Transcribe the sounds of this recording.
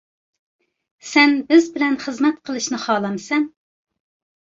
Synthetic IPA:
sɛnbɪzbɪlɛnχəzmɛt̪qʰəlˠɨʃnɨχɑːlˠɑmɨsɛn

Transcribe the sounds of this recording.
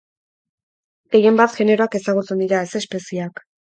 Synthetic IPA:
e̞je̞mbat̪ʝe̞ne̞ɾo̞ake̞saɣut͡se̞nd̪iɾaese̞spe̞siak

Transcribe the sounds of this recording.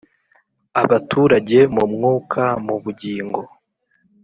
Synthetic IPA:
aβatuːɾaɟe̞mumŋuːkʰamuβuɟiːŋɡo̞

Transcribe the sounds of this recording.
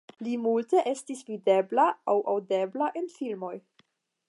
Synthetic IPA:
limulte̞ʔestisvide̞blaawʔawde̞blaʔe̞nfilmo̞j

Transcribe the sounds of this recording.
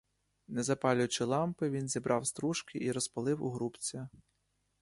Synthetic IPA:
nɛzɐpɑlʲʊt͡ʃɪlˠɑmpɪʋʲinzʲibɾʔɑwst̪ɾuʃkɪʔiɾɔspɐlˠɪwṵɦɾupt͡sʲɐ

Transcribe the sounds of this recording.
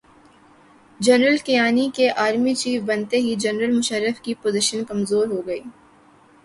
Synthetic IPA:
d͡ʒɐnɾəlkijaːnikeʔaːɾmit͡ʃiːfbɐnt̪eɦid͡ʒɐnɾəlmʊʃəɾːəfkipoːzɪʃənkɐmzoːɾɦoɡɐiː

